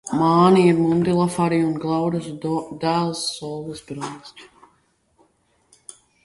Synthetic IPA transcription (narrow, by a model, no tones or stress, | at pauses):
maːniiɾmund̪ilˠafaɾiunɡlˠawɾɨzd̪æːlˠsːɔlˠvisbɾɔnsʲt̪ʲ